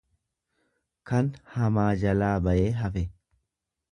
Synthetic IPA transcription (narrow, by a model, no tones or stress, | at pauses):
kɐnhɐmaːd͡ʒɐlaːbɐʔe̞ːɦɐfɛ